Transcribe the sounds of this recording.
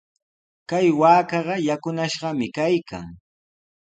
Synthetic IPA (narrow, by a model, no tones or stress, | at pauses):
kajwaːkɑɢɑjakʊnaʃɢɑmɪkajka̰ŋ